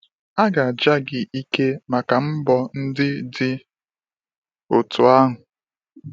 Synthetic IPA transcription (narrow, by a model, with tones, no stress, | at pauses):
a˦ɡa˨a˨d͡ʒa˦ɡɪ˨ʔi˦ke˦ma˨ka˨m̩˦bɔ˨n̩˦dɪ˦dɪ˦ | ʊ˨tʊ˨a˦ɦʊ˨